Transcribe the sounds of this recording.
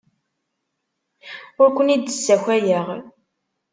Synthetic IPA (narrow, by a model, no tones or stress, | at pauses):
ʊɾkʷːənid̪əsːæçæjəʁ